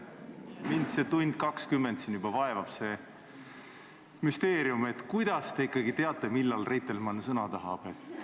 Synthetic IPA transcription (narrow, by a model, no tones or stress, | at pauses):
mind̪se̞t̪unʲd̪̥̚kɑkskymːend̪siːnjyb̥ɑvɑevɑb̥se̞ | myst̪e̞ːɾiume̞t̪ːˑkujd̪̥ɑst̪e̞ikːˑɑɡit̪e̞ɑt̪ˑːe̞milːɑlre̞jt̪ˑːelmɑnsɤnɑt̪ɑɦɑ̰b̥e̞t̪ː